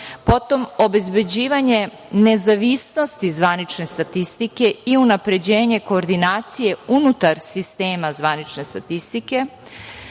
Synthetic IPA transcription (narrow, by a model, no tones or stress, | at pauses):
po̞t̪o̞mo̞be̞zbe̞d͡ʑiːʋaɲe̞ | ne̞zaʋisno̞st̪izʋanit͡ʃne̞st̪at̪ist̪ike̞iunapɾe̞d͡ʑe̞ːɲe̞ko̞ːɾd̪inaːt̪sije̞unut̪aɾsist̪e̞ːmazʋanit͡ʃne̞st̪at̪ist̪ike̞